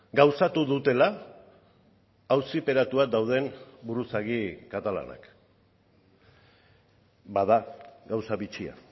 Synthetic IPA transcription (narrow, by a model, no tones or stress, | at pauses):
ɡawsat̪uðut̪e̞la | wsipe̞ɾat̪uad̪awð̞e̞nbuɾusaɣikat̪ala̰na̰k | baðaɡawsaβit͡ʃia̰